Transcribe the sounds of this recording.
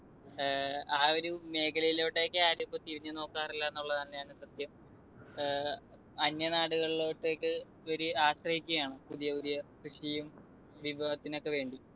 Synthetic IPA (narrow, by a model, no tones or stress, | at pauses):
aːoɾume̞ːkʰɐlɐjiloːʈːe̞ːkːɨaːɾipːot̪iʋiɲːɨno̞ːkːaːrilːɐenːuɭːɐðɐnːejaːɳɨsɐd̪jɐm | ɐɲjɐnaːɽuɣɐɭilo̞ːʈːeːkːɨ | oɾuaːɕrɐhikʲːuɣɐjaːɳɨpuðijɐoðijɐkrɨʂɐjum | ʋiʋɐɐt̪ːino̞kːe̞ʋe̞ːɳɖi